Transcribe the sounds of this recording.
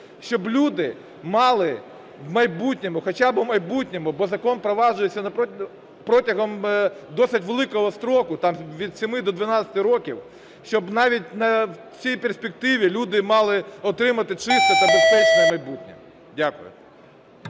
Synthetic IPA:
ʃt͡ʃɔblʲud̪ɪ | mɑlˠɪ | mɐjbutʲnʲɔmʊxɔt͡ʃabɪmɐjbutʲnʲɔmʊbɔzɐkɔnpɾɔʋɑʒʊjet͡sʲːɐnɐpɔ | pɾɔtʲɐɦɔmd̪ɔsɪtʲʋelˠɪkɔɦɔst̪ɾɔkʊt̪ɑmʋʲid̪sʲɪmɪd̪ɔd̪ʋɐnɑt͡sʲsʲɐ̥t̪ɪɾɔkʲḭw | ʃt͡ʃɔbnɑʋʲitʲnɐw | t͡sʲijpersʲpʲek̚t̪ɪʋʲilʲud̪ɪmɑlˠɪɔt̪ɾɪmɐt̪ɪt͡ʃɪst̪ɔt̪ɐbespɛt͡ʃnɐmɐjbutʲnʲɛm | dʲakʊjʊ̰

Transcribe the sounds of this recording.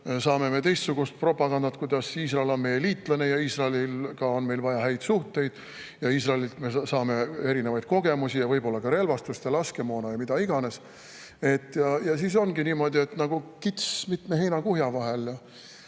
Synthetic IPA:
sɑːme̞me̞t̪e̞jst̪suɡ̥ust̪̚pro̞pˑɑɡ̥ɑnd̪ɑt̪kujd̪ɑsiːs̬rɑelo̞nme̞jeliːt̪ˑlɑnejɑiːsrɑelilkɑo̞nme̞jlvɑjɑɦæjd̪̥suht̪e̞jd̪̥ | jɑiːs̬rɑelilt̪me̞sɑːme̞e̞ɾine̞vɑjd̪̚ko̞ɡ̥e̞musijɑvɤjbo̞lːɑkɑɾe̞lvɑst̪ust̪elɑske̞mo̞ːnɑjɑmid̪̥ɑiɡ̥ɑne̞s | e̞t̪ːˑjɑjɑsiːs̬o̞nɡiniːmo̞d̪ie̞t̪ːnɑɡ̥ukit̪smit̪me̞ɦe̞jnɑkuhjɑvɑɦe̞ljɑ

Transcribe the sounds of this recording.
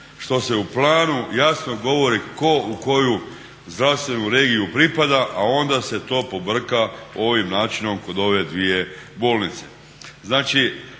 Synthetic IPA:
ʃt̪o̞se̞uplˠaːnujasno̞ɡo̞ʋo̞ɾiko̞uko̞ju | zd̪ɾaʋst̪ʋe̞nuɾe̞ːɡijupɾipad̪aʔao̞nd̪ase̞t̪o̞ːpo̞br̩kao̞ʋimnaːt͡ʃino̞mko̞d̪o̞ʋe̞d̪ʋije̞boːlnit̪se̞̥ | znaːt͡ʃi

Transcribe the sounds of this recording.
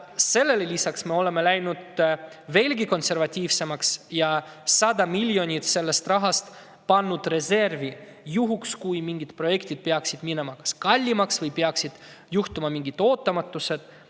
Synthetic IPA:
se̞lːe̞lelisɑksme̞o̞le̞me̞læjnud̪̥ | ve̞ːlɡiko̞nse̞rvɑt̪ʲːiːvse̞mɑksjɑ | sɑd̪ɑmilʲjo̞nʲit̪se̞lːe̞st̪rɑɦɑst̪ | pɑnːud̪̥re̞se̞rvi | juɦukskujmiŋɡ̥it̪pro̞je̞kt̪id̪̥̚peɑksid̪̥mine̞mɑkɑ̥skɑlʲːimɑksvɤjpeɑksid̪̥ | juht̪umɑmiŋɡ̥it̪o̞ːt̪ːˑɑmɑt̪ːˑuse̞d̪̥

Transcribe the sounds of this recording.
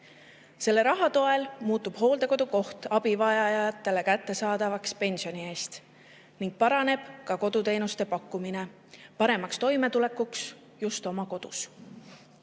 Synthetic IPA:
se̞lːe̞ɾɑɦɑt̪o̞e̞lmuːt̪ːˑub̥ho̞ːld̪e̞ko̞d̪uko̞ht̪ɑb̥ivɑjɑjɑɑt̪ːe̞le̞kæt̪ːe̞sɑːd̪̥ɑvɑkspe̞nʲsio̞nie̞ːst̪ | niŋɡ̥̚pɑɾɑne̞b̥kɑko̞d̪̥ut̪e̞ːnust̪e̞pɑkːumine̞ | pɑɾe̞mɑkst̪o̞jme̞t̪ule̞kːuks | just̪o̞mɑko̞d̪̥us

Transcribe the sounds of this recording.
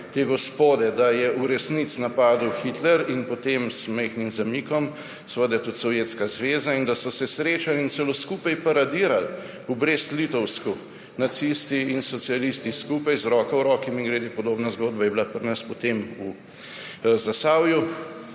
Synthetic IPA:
t̪eɡɔspoːd̪ɛd̪ajɛʔuɾɛsnit̪snapaːd̪uwxit̪lɛɾinpɔt̪emzmɛxnimzamikɔm | sɛʋəd̪ajt̪ut̪sɔwjet̪skazʋeːzaind̪asɔsɛsɾeːt͡ʃalinsɛloskuːpajpaɾad̪iːɾal | ubɾest̪lit̪ɔwsku | nat̪sist̪iinsɔt̪sialist̪iskupajzɾɔːkawɾɔːkimiŋɡɾed̪ipɔd̪oːbnazɡoːd̪̚bajɛbilapəɾnəspɔt̪emu | zasaːwju

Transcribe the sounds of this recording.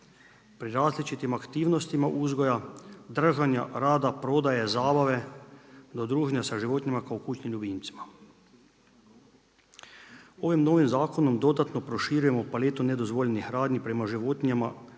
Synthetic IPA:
pɾiɾaːzlit͡ʃit̪imakt̪iːwnɔst̪imaʔuːzɡɔjad̪r̩ʒanja̰ɾaːd̪apɾod̪ajɛzaːbaʋɛ | d̪od̪ɾuːʒnjasaʒiʋoːt̪nʲimakawkuːt͡ʃnimʎubint̪si̥ma | oːʋimnoːʋimzaːkonɔmd̪od̪at̪nɔpɾɔʃiːɾujɛmɔpaleːt̪unɛd̪ozʋoːʎenixɾaːd̪nipɾɛmaʒiʋoːt̪nʲijama

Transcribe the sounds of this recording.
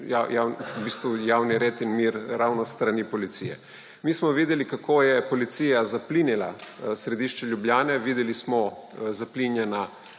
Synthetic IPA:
jajawnubiːst̪ʋujawniɾet̪inmiɾɾawnɔst̪ɾanipɔlit̪sijɛ̰ | mismɔʋiːd̪ɛlikakʰoːjɛpɔlit̪siːjazaplinilasɾɛd̪iːʃt͡ʃɛʎjubljaːnɛʋiːd̪ɛlismɔzaplinjɛna

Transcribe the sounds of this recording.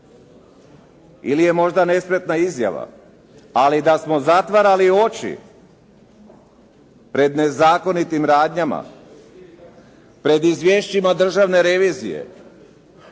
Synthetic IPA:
ilije̞mo̞ʒd̪ane̞spɾet̪naizja̰ʋa̰ | alid̪asmo̞zat̪ʋaɾalio̞t͡ʃḭ | pɾe̞d̪ne̞zaːko̞nit̪imɾaːd̪ɲama̰ | pɾe̞d̪izʋje̞ʃt͡ɕimad̪r̩ʒaʋne̞ɾe̞ʋiːzḭje̞̰

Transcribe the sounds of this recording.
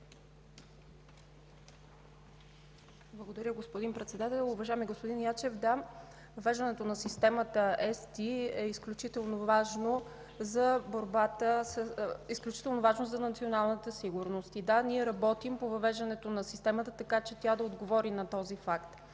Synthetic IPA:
blˠəɡod̪ɐɾʲəɡospʊd̪inpɾɛt̪sɛd̪at̪ɛlˠʊvɐʒajɛmiɡospod̪injat͡ʃɛfd̪a | vɐvɛʒd̪ɐnɛt̪onɐsist̪ɛmət̪əɛst̪iɛisklʲut͡ʃit̪ɛlˠnovaʒno | zɐboɾbat̪əsisklʲut͡ʃi̥t̪ɛlˠnovaʒnozɐnɐt̪sionalˠnət̪əsiɡʊɾnost̪id̪aniɛɾɐbɔt̪impovɐvɛʒd̪ɐnɛt̪onɐsist̪ɛmət̪ət̪ɐkat͡ʃɛt̪ʲad̪ɐod̪ɡovɔɾinɐt̪ɔzifakt̪

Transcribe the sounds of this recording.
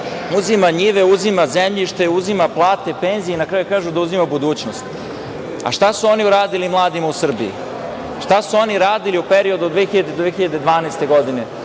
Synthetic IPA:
uzimaɲiʋeuzimazemʎiʃt̪euzimaplˠaːt̪e̞pe̞nzienakɾaːjukaːʒud̪auzimabud̪uːt͡ɕnost̪ | a̰ʃt̪asuo̞niuɾaːd̪ilimlˠaːd̪imausr̩biḭ | ʃt̪asuo̞niɾaːd̪iliupeɾio̞d̪ud̪ʋexiʎad̪ed̪ʋexiʎad̪e̞d̪ʋaːnajst̪e̞ɡo̞d̪ine̞

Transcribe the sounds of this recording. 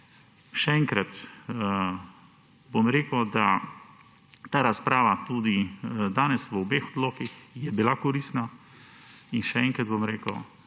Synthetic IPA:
ʃɛɛŋkɾat̪ | bomɾeːkəd̪a | t̪aːɾaspɾaːʋat̪ud̪id̪aːnɛsʋəɔbeːxɔd̪loːkixjɛbilakɔɾist̪na | inʃɛɛŋkɾad̪̚bomɾeːkəw

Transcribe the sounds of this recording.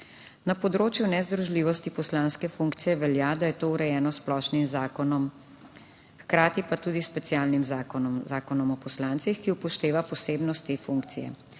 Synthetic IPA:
napɔd̪ɾoːt͡ʃjunɛzd̪ɾuʒliːʋɔst̪ipɔslaːnskɛfuŋkt̪sijɛʋɛljad̪ajɛt̪oːuɾɛjɛːnɔsplɔʃnimzaːkɔnɔm | xkɾaːt̪ipat̪uːd̪ispɛt̪sijaːlnimzaɔzaːkɔnɔmɔpɔslaːnt̪sixkiupɔʃt̪eːʋapɔseːbnɔst̪ːeːfuŋkt̪sijɛ̰

